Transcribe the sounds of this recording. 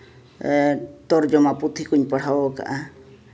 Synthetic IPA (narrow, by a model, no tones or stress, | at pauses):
t̪ɔɾd͡ʒɔmaput̪ʰikuɲpəɽ̤awɔka̰ʔa